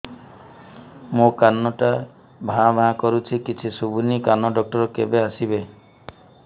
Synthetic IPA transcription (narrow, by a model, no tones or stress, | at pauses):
mokanːɔʈa | bʱãbʱãkɔɾut͡ʃʰikit͡ʃʰisubunikanɔɖɔk̚ʈɔɾɔkebeasibe